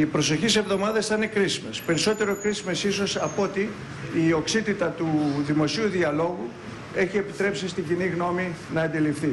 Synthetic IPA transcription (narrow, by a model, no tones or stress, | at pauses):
ipɾo̞so̞çise̞vðo̞mɐðesθine̞kɾisime̞spe̞ɾiso̞t̪e̞ɾo̞kɾisime̞siso̞sɐpo̞t̪iː | o̞ksit̪it̪ɐt̪uðimo̞siuðiɐlo̞ɣu | e̞çie̞pit̪ɾe̞psist̪iɟiniɣno̞minɐːnd̪ilifθi